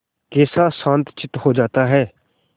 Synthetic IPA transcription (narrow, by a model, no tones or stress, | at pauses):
keːsaːsãːnt̪t͡ʃɪt̪ɦoːd͡ʒaːt̪aːɦɛː